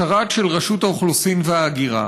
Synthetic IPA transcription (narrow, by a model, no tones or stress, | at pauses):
aʁat̪ʃelʁaʃut̪aoχlusimveaːɡiʁa̰